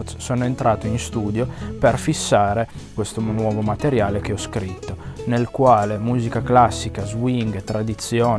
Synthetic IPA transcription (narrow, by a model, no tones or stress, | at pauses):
t̪ssoːnoent̪ɾaːt̪oinst̪uːd̪joperfisːaːɾe | kwest̪onwɔːvomat̪eɾjaːlekeɔskɾit̪ːonelkwaːlemuːzikaklasːikazwiŋɡt̪ɾad̪it̪sːjɔː